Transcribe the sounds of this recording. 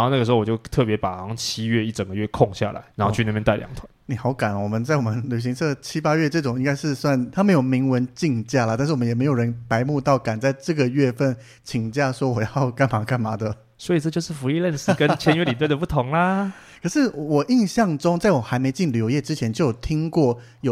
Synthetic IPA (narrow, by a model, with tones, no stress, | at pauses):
xo˥˧n˥ɡə˩ɻ̩˧o˥˧wɔ˨˩t͡ɕo˥˧ʊt̪ʰɤ˥˩pjɛ˧˥pa˨˩hɑ˧˦ŋt͡ɕʰi˦˥ɥɛ˥˧i˥˩ʈ͡ʂə˨˩ŋɡə˦ɥɛ˥˧kʰʊ˥˧ŋɕja̰˥˨la̰˨˧˦ɪa˧˥nxo˥˧y˥˧na˥˧˩pjɛ˥nt̪a˥ɪljɑ̰˨˧˦ŋt̪ʰwa˧˦ni˨˩xɑ˧˥ʊka˨˩nwɔ˨˩mə˦nt͡sa˥˩ɪwɔ˨˩mə˦nly˨˩ɕ̬i˧˥ŋsʰɤ˥˩t͡ɕʰi˥pa˥ɥɛ˥˧ʈ͡ʂɤ˥˩ʈ͡ʂʊ˨˩ŋi˥ŋɡa˥ɪʂɻ̩˥˧swa˥˩nt̪ʰa˥me˧˥ɪjo˨˩ʊmi˧˥ŋwə˧˦nt͡ɕi˥˧ŋt͡ɕja˥˩lə˩t̪a˥˧nʂ̩˥˩wɔ˨m˦jɛ˨˩me˧˥jo˨˩ɻə˧˦npa˧˦˥ɪmu˥˧t̪ɑ˥˩ʊka˨˩nt͡sa˥˧ɪʈ͡ʂɤ˥˩ɡə˨ɥɛ˥˧fə˥˩n | t͡ɕʰi˨˩ŋt͡ɕja˥˩ʂwɔ˥wɔ˨˩jɑ˥˩ʊka˥˩nma˨˥kʰa˥˩nma˧˥d̪ə˧˨ | swɔ˧˥i˨˩ʈ͡ʂɤ˥˧t͡ɕjʊʂɻ̩˥˩fu˧˥i˥˧lə˥˧nsɹ̩˥˩kə˦t͡ɕʰjɛ˧˦˥nɥɛ˦˥li˨˩t̪we˥˩ɪə˩pu˥˩t̪ʰʊ˨˧˥ŋlɐ˧ | kʰɤ˨˩ʂɻ̩˥˩wɔ˨˩ʔi˥˧nɕjɑ˥˩ŋʈ͡ʂʊ˥ŋt͡sa˥˩ɪwɔ˨˩xa˧˥ɪme˧˥ɪt͡ɕi˥˩nljo˧˥ʊjɛ˥˩ʈ͡ʂɻ̩˥t͡ɕʰjɛ˧˦nt͡ɕjo˥˩ʊjʊt̪ʰi˥ŋkwɔ˥˩ | jo˨˩